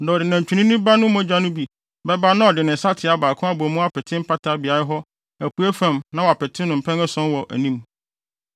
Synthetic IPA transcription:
da˨ɔ˨dɪ˨nã˨ɲ˨t͡ɕᶣu˨nĩ˦nĩ˦ba˦nʊ̃˦mɔ̃˦d͡ʑa˦nʊ̃˦bi˨ | bɛ˦ba˦nã˦ɔ˨dɪ˨nɪ̃˨sa˦tʰɪ˨˦a˨baː˨kʰʊ̃˦a˦bɔ˨mũ˦a˦pʰɛ˨tʰɪ̃˦m̩˦pʰa˦tʰa˨˦bi˨a˨ɾɪ˦ɦɔ˦ | æ˨kʰu˨æ˦fã˨mnã˦wɔ˨a˨pɛ˨tʰɪ̃˦nːʊ̃˨m̩˨pʰɛ̃˦ŋɛ˦sɔ̃˦nwɔ˨ʔæ̰˨nĩ˦m

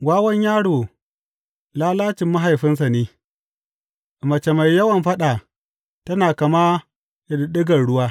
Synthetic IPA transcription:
ɡʷaː˦wɐ˦ɲjaː˦ɽoː˨ | laː˦laː˦t͡ʃɪ˨mːɐ˦ɦa˨jɸɪ˦ns̬a˨neː˦˨ | mɐ˨t͡ʃe˨ma˨jːɐ˦wɐ˨mɸɐ˦ɗaː˨ | tɐ˦naː˨kɐ˨maː˦ | ʔɪ˨ɗɗɪ˦ɡɐ˨rɽʊ˦waː˦

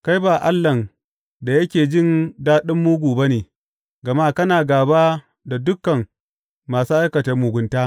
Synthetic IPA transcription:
ka˦jbaː˨ʔa˦lːɐ˨n | da˨jɐ˦kʲeː˨d͡ʒɪ˦ndaː˦ɗɪ˦mːu˦ɡʷuː˨bɐ˦neː˨ | ɡɐ˨maː˦kɐ˦naː˨ɡaː˨baː˦ | da˨dʊ˦kːɐ˨ŋ | maː˨suː˦ʔa˦jkɐ˨ta˨mʊ˨ɡʷʊ˨˦ntaː˦

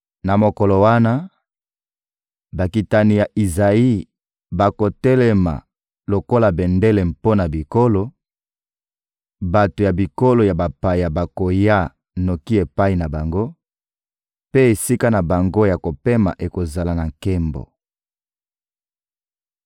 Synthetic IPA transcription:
na˨mo˨ko˨lo˨wa˦na˦ | ba˨ki˨ta˨ni˨ja˨ʔi˨za˨i˦ | ba˨ko˨tɛ˦lɛ˦ma̰˨ | lo˨ko˦la˨bɛ˨ndɛ˦lɛ˨m̩po˦na˨bi˨ko˦lo˨ | ba˨to˨ja˨bi˨ko˦lo˨ja˨ba˨pa˨ja˨ba˨ko˨ja˦˨ | no˨ki˦e˨pa˦i˨na˨ba˨ŋɡo˦ | pe˦e˨si˦ka˦na˨ba˨ŋɡo˦ja˨ko˨pe˦ma̰˨ʔe˨ko˨za˨la˨na˨ŋkɛ˦mbo̰˨

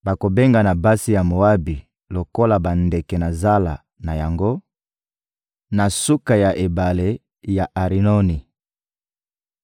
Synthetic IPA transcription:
ba˨ko˨be˦ŋɡa˨na˨ba˦si˦ja˨mo˨wa˦bi˨ | lo˨ko˦la˨ba˨nde˨kɛ˨na˨za˦la˨ | na˨ja˨ŋɡo˦ | na˨su˦ka˨ja˨ʔe˨ba˨le˦ | ja˨ʔa˨ʁi˨no˦ni˨

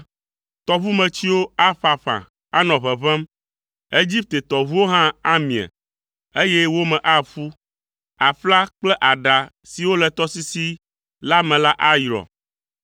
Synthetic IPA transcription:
t̪ɔ˨βu˦mɛ̃˨t͡ɕi˦wo˦a˦ɸa˨ɸã̰˨ | a˦nɔ̃˨βɛ˨βɛ̃˦m | e˦d͡ʑi˦p̚t̪e˨t̪ɔ˨βu˦wo˦ɦã˦a˦mĩ˨a̰˨ | e˦jɛ˦wo˦mɛ̃˨ʔa˦ɸu˦ | a˨ɸla˦k͡plɛ˦ʔa˨ɖa˨ | si˨wo˦lɛ˨t̪ɔ˦si˦si˦ | la˦mɛ̃˨la˦ʔa˦jɾɔ̰˨

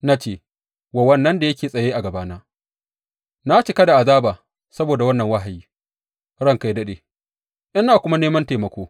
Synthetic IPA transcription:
na˦t͡ʃeː˦˨ | wa˨wɐ˦nːɐ˦nda˨jɐ˦kʲeː˨sʼɐ˨jeː˦ʔa˨ɡɐ˨baː˦naː˦ | na˦t͡ʃɪ˨kɐ˦da˨ʔa˨zaː˦baː˨ | sɐ˦boː˨da˨wɐ˦nːɐ˨ŋwa˦ɦa˨jiː˦ | ɽɐ˦ŋka˦jdɐ˦ɗeː˨ | ʔɪ˦naː˨kʷʊ˦ma˦neː˦mɐ˦nteː˨mɐ˨kʷoː˦

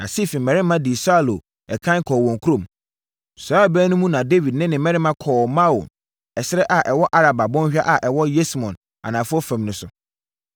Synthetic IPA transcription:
nã̰˨si˦˨fĩ˨mɛ̃˨ɾɪ˦mã˦di˨sa˦˨lo˨ | ɛ˨kʰã˦n˦kʰɔː˨wɔ̃˨ŋkʰu˦ɾõ˦˨m | saː˦˨bæː˦nʊ̃˦mũ˦nã˨de˦vi˨dnɪ̃˦nɪ̃˨mɛ̃˦ɾɪ˦mã˦kʰɔː˨mã˦wo̰˨n | ɛ˨sɪ˦ɾɛ˦ʔa˨ʔɛ˨wɔ˦ʔa˦ɾa˨ba˨bɔ̃˦n˦ɕᶣa˦ʔa˨ʔɛ˨wɔ˦je˦smɔ̰̃˨n | a̰˨nã˨fʊ˦ɔ˦fɛ̃˨mnʊ̃˨˦sʊ˦

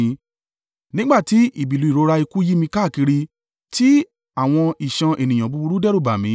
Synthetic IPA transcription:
nĩ˦ɡ͡ba˦˨ti˨˦i˦˨bi˨lu˨˧i˨ɾo˧˦ɾa˧i˧ku˦ji˦mĩ˧ka˦˨ki˧ɾi˧ | ti˦ | a˦˨w̃ɔ̃˧i˨ʃã˧ʔe˨nĩ˨ã˨bu˧bu˧ɾu˦dɛ˦ɾo˦˨ba˨mĩ˨˦

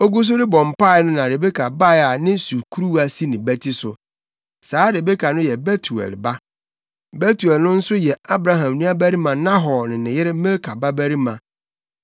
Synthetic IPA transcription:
o˦ɡu˦s̬ʊ˦ɾɪ˦bɔ̃˨m̩˨pa˦˨˦nʊ̃˦nã˨ɾe˨be˦kʰa˨ba˦ja˨nɪ̃˦su˨kʰu˦ɾu˦a˨si˦nɪ̃˨bæ˦tʰi˦sʊ˨ | saː˨˦ɾe˨be˦kʰa˨nʊ̃˦jɛ˨bɛ˦tʰu˨ɛ̰˨lba˦ | bɛ˦tu˨ɛ˨lnʊ̃˦n̩˦sʊ˦jɛ˨a˦bɾa˦ɦã˨mnũ˦a˦bæ˦ɾi˦mã˨nã˦ɦɔ˨nɪ̃˨nɪ̃˨jɪ˦ɾɪ˦mɪ̃˦lkʰa˨ba˦bæ˦ɾi˦mã˨

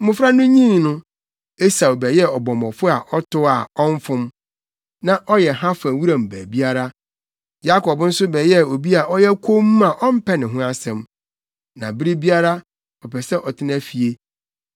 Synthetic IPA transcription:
m̩˦mʊ̃˨fɾa˦nʊ̃˦ɲĩ˦n˨nʊ̃˦ | e˦sa˨o˨bɛ˨jɛ˦ɔ˨bɔ̃˨mɔ̃˨fʊ˦a˨ʔɔ˦tʰʊ˦a˨ɔ̃˦ɱ˦fʊ̃˦m | nã˨ʔɔ˦jɛ˨ɦã˦fã˨wu˦ɾã˨m̩˨bæ̰ː˨bi˦a˦ɾa˦ | ja˦kʰɔ˨bn̩˦sʊ˦bɛ˨jɛ˦o˨bi˦a˨ʔɔ˦jɛ˦kʰo˦m˦a˨ʔɔ˦m̩˦pʰɛ˦nɪ̃˨ɦʊ̃˦a˦sɛ̃˨m | nã˨bɪ˦ɾi˦bi˦a˦ɾa˦ | ɔ˨pʰɛ˨sɛ˦ʔɔ˨tʰɪ˦na˦fi˨e˦

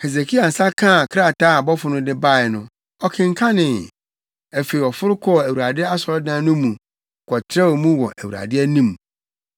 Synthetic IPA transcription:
he˨ze˨kʰi˦a˨n̩˨sa˦kʰã˦˨kʰɾa˦˨ta˦˨bɔ˦fʊ˨nʊ̃˦dɪ˦ba˦˨ɪ˨nʊ̃˦ | ɔ˨kʰɪ̃˨ŋ˨kʰa˦nɪ̃˨ | æ˨fe˨i˨ɔ˨fʊ˦ɾʊ˦kʰɔ˦˨æ˨wu˨ɾa˨dɪ˦a˦sɔ˨ɾɔ˦dãː˦nʊ̃˦mũ˨ | kʰɔ˨tʰɾɛ˦wɔ˨mũ˦wɔ˨ʔæ˨wu˨ɾa̰˨dɪ˦æ˦nĩ˦m

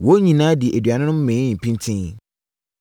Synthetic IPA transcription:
wo˦ɲĩ˨nãː˦di˨ʔe˨dɥa˨nʊ̃˦nʊ̃˦m̩˦mẽ˨˦ĩ˦˨m̩˨pʰĩ˦ntʰĩ˦n

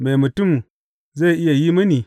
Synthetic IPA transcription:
me˨mu˨tu˦˨m | za˦˨ʔɪ˦ja˨ji˦mɐ˦ni˨

